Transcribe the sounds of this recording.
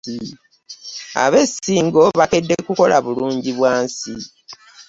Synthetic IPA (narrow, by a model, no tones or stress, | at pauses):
a̰βe̞siːŋɡo̞βake̞dːe̞kuko̞laβuluːɲɟiβwaːnsi